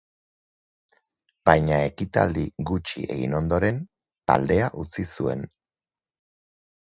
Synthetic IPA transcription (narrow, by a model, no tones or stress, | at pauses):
b̥ajɲae̞kit̪a̰ld̪iɡut͡ʃie̞ɣḭno̞nd̪o̞ɾe̞n | t̪a̰ld̪e̞aʔut͡sisue̞̰n